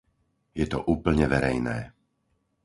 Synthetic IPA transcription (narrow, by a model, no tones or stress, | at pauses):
jɛt̪ɔ̰ʔuːpl̩ɲɛʋɛɾɛjnɛː